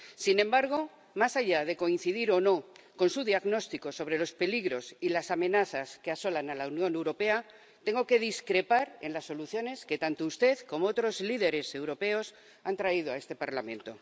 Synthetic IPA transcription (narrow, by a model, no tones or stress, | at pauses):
sinẽ̞mbaɾɣ̞o̞ | masaʝað̞e̞ko̞in̟θiðiɾo̞no̞ko̞nsuðjaɣno̞st̪iko̞so̞βɾe̞lo̞spe̞liɣɾo̞silasamẽ̞naθaske̞aso̞lanalaunjõ̞ne̞wɾo̞pe̞a | t̪e̞ŋɡo̞ke̞ðiskɾe̞paɾe̞nlasːo̞luθjo̞ne̞ske̞t̪ant̪oust̪e̞ðko̞moot̪ɾo̞zliðe̞ɾe̞se̞wɾo̞pe̞o̞s | ant̪ɾaið̞oae̞st̪e̞paɾlamẽ̞nt̪o̞̰